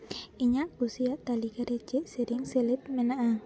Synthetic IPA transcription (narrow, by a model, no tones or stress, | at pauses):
iɲaʔkusijaʔt̪alikaɾe̥d͡ʒ̥ɛʔseɾɪŋselɪt̪̚menaʔa